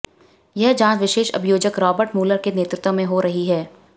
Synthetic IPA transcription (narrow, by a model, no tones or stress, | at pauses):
jɛɦd͡ʒãːt͡ʃʋɪʃeːʃɐ̰bʱjoːd͡ʒəkɾɔːbəɾʈmuːləɾkeneːt̪ɾɪt̪wə̃mẽɦoɾɐɦiɦɛː